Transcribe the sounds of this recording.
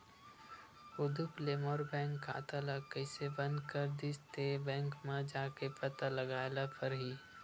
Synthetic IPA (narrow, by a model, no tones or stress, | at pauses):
ʊd̪upleːmoːɾbɛ̃ːŋkːa̰ːt̪alakəɪsebɐ̃nd̪kəɾd̪ɪst̪ebɛ̃ːŋkmẽd͡ʒaːkepɐt̪aləɡaːelapʰəɾɦiː